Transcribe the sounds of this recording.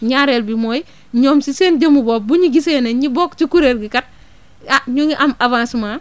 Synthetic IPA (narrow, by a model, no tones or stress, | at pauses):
ɲaɾelbimoji | ɲoːmsisend͡ʒamuboːbuɲiɡiseːneɲibokt͡ʃikuɾeːlɡikat̚ | aɲoŋiʔamabansuma